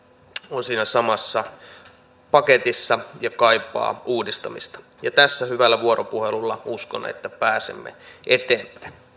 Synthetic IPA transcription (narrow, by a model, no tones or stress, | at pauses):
onsiːnæsɑmɑsːɑ | pɑket̪isːɑjɑkɑipːˑɑ̰ːʔuːdist̪ɑmḭst̪ɑ̥ | jɑt̪æsːæhyʋælːæʋuoropuhelulːɑuskonːɑ̰ḛt̪ːæpæːsḛmːḛʔet̪eːmpæ̥in